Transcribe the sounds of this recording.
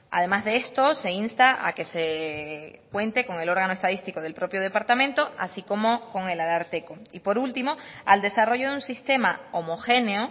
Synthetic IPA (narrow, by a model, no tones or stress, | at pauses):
a̰ðe̞mazðe̞est̪o̞se̞inst̪aʔa̰ke̞se | kwe̞nt̪e̞ko̞ŋe̞lo̞ɾɣ̞anoest̪aðist̪iko̞ð̞e̞lpɾo̞pjo̞ð̞e̞paɾt̪amẽnt̪o̞a̰siko̞mo̞ko̞ŋe̞lalaɾt̪e̞koipo̞ɾult̪imo̞ald̪e̞saro̞ʝo̞ðunsist̪e̞mao̞mo̞xe̞neo